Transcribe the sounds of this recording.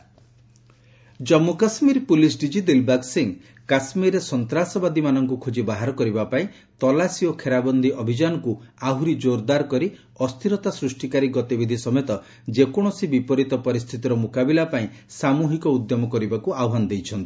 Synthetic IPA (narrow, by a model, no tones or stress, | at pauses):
d͡ʒɔmːukasmiɾpulisɖid͡ʒid̪ilbaksiŋ | kasmiɾesɔnt̪ɾasɔbad̪imanɔŋkukʰod͡ʒibaɦaɾɔkɔɾibapaĩ | t̪ɔlasiɔkʰeɾabɔnd̪ʱiʔɔbʱid͡ʒanɔkuaɦuɾid͡ʒoɾd̪aɾkɔɾi | ɔst̪ʰiɾɔt̪asɾusʈikaɾiɡɔt̪ibid̪ʱisɔmet̪ɔ | d͡ʒekɔɽ̃ɔsibipɔɾit̪ɔpɔɾist̪ʰit̪iɾɔmokabilapaĩsamuɦikɔud̪jɔmɔkɔɾibakuaɔɦand̪ejt͡ʃʰɔnt̪i